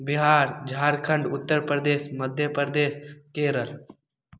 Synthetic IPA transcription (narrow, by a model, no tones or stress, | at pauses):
bɪɦaːɾd͡ʒʱaːɾkʰəɳɖʊt̪ːəɾpɾəd̪eːsməd̪ʱjəpɾd̪eːskeːɾəl